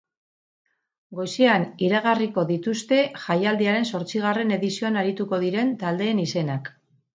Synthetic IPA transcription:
ɡo̞seaniɾaɣ̞ariko̞ðit̪ust̪e̞ʝajald̪iaɾe̞nso̞ɾt͡siɣ̞are̞ne̞ðisio̞anaɾit̪uko̞ð̞iɾe̞nt̪ald̪e̞ːnise̞nak

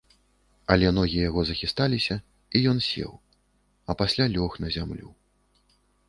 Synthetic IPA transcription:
ɐlʲɛnɔɣʲijɛjaɣɔzɐxʲist̪alʲisʲɐ | ijɔnsʲɛ̰w | ɐpasʲlʲalʲɔxnɐzʲamlʲṵ

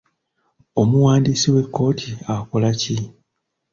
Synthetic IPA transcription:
omuwaːndisiwe̞kːo̞ːtʰiako̞laci

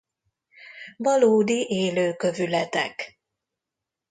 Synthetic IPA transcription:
vɒloːd̪iʔeːløːkø̞vylɛt̪ɛ̰k

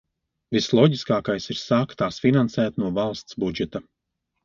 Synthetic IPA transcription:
vislˠɔɟiskaːkajsiɾsaːkt̪aːsfinansæːt̪nuɔvalˠst̪sbud͡ʒɛt̪a

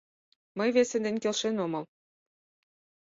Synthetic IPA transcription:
məjβesĕnd̪enʲkelʃenomɤ̆l

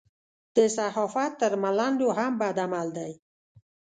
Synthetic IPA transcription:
d̪̥əsahɔfat̪ːəɾmaland̪oɦambad̪amald̪aj

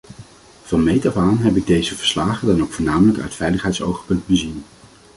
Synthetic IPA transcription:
v̥ɑnmejtavaːnɦɛpɪɡ̚dejzəvəɹslaːχədɑnowkfʊːɹnaːmələkœ̰ɥtfɛjləχɦɛjtso̰wχpɵnt̚bəzin

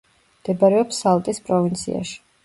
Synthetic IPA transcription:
md̪̥ɛbaɾɛɔpsalˠt̪ʼispʼɾɔvint̪sʰḭa̰ʃi̥

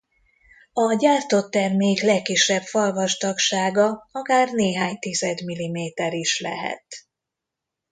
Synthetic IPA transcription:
ɒɟaːrt̪ot̪ːɛrmeːklɛkːiʃːɛpfɒlvɒʃt̪ɒkʃaːɡɒɒkaːrneːɦaːɲt̪izɛd̪milimeːt̪ɛɾiʃlɛ̰ɦɛ̰t̪

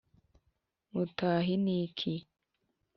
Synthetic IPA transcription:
mutaːɦinikʰi

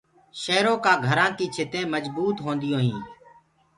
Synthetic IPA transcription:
ʃəɦɾõːkaːɡʱəɾãːkiːt͡ʃʰɪt̪ẽːməd͡ʒbuːt̪ɦõːnd̪ɪjõːɦĩː

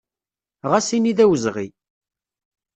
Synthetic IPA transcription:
ʁasiniðæwəzʁḭ

